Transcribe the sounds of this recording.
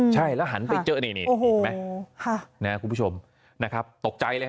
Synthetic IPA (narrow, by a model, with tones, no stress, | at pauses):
t͡ɕʰa˥˩jlɛ˦˥ɦa˩˦npa˧jt͡ɕɤː˦˥na˧˩niː˦˧˩o˧˨˧ma˦kʰa˥˩na˦˥kʰu˧pʰu˥t͡ɕʰo˧m | na˦˥kʰɾa˦˥p̚t̪o˨˩k̚t͡ɕa˧jləː˧